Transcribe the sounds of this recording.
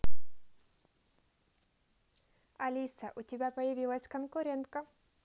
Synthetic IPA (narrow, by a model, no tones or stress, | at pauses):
ɐlʲisəʔʊtʲɪbʲapəjɪvʲilˠəsʲkənkʊɾʲent̪̚kə